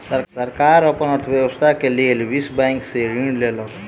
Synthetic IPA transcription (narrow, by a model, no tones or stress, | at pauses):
səɾsəɾkaɾəpənəɾt̪ʰʋjewəst̪ʰakelelʋisbaŋkseɾiɳlelɔ